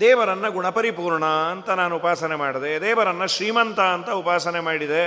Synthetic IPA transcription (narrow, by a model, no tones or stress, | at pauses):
d̪ɛːʋɐɾɐnːɐɡuɳɐpɐɾipuːɾɳɐɐnt̪ɐnaːnuːpaːsɐnemaːɽɐd̪eɐd̪ɛːʋɐɾɐnːɐʃɾiːmɐnt̪ɐɐnt̪ɐupaːsɐnemaːɽid̪e